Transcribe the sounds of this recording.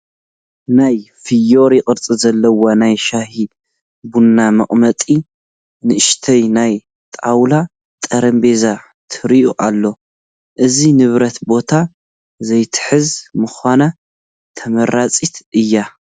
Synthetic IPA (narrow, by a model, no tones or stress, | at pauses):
naj | fɨjo̞ɾjɪkʼɨɾt͡sʼɨzɐlːɐwonajʃahi | bunːamɐχʼmɐt̪ʼi | nɨʔɨʃt̪ʰɐjnaj | t̪ʼawla | t̪ʼɐɾɐmbe̞za | t̪ʰɨɾiʔuʔa̰lːo̞ | ʔɨzinɨβɾɐt̪bo̞t̪ʰa | zɐjt̪ʰɨ̥ħɨzmɨxʷana | t̪ʰɐmɐɾat͡sʼit̪ʔɨjːa